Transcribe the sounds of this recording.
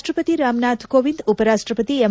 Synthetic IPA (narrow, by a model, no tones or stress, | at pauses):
ʈɾəpət̪iɾaːmnat̪ʰkoʋind̪upəɾaʃʈɾəpət̪iem